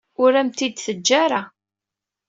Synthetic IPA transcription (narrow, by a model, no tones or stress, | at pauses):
ʊɾæmt̪id̪θəd͡ʒːaɾa